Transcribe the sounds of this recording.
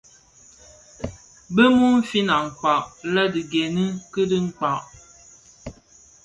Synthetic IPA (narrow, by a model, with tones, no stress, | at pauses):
bə˦mu˦m̩˦fi˦na˨ŋ̩˨k͡pa˨ʔlə˦di˨ɡe˨nɨ˦kɨ˦dɨ˦ŋ̩˦k͡pa˨ʔ